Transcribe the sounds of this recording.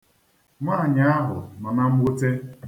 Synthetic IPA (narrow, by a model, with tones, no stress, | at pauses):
maː˦˨ɲa˦a˦ɦʊ̰˨na˨na˦m̩˦ɡ͡bʊ˦te˦